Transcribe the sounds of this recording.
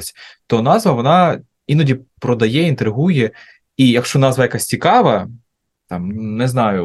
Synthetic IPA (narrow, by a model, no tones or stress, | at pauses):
sʲt̪ɔnɑzʋɐʋɔnɑ | inɔdʲipɾɔd̪ɐjɛint̪ɾɪɦujɛ | ijɐkʃt͡ʃɔnɑzʋɐjɐkasʲt͡sʲikɑʋɐ | t̪ɑmnɛznɑjʊ